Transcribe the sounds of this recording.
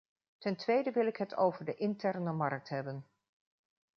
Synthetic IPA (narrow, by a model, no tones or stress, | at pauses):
tɛntʋejdəʋɪlɪkɦətʰo̰wvəɹdəʔɪntɛɹnəmɑɹk̚tɦɛbən